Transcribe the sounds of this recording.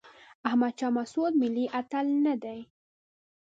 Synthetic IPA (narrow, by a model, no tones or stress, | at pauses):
ahmad̪̚t͡ʃɑmasud̪mɪlːiʔat̪alnad̪aj